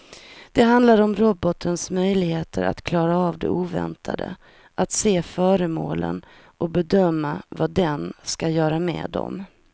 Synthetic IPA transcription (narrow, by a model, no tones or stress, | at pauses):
d̪̥ɛɦand̪laɾɔmɾɔbɔt̪ʰənsmœjlɪɡheːt̪ʰəɾa̰t̪kʰlɑːɾaːvd̪ɛ̰ʔuːvɛ̰nt̪ʰa̰d̪ə̰ | ʔat̪seːfœːɾəmoːlə̰n | ʔɔbɛd̪œmːavad̪ɛnskajœːɾamɛ̰ːd̪ɔ̰m